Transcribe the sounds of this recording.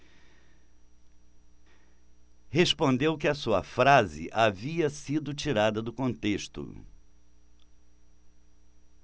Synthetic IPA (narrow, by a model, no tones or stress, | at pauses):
hespõnd̪ewkɪɐsuɐ̰fɾazɪ̰ʔaviɐsid̪ʊt͡ʃiɾad̪ɐd̪ʊkõnt̪eʃt̪ʊ̰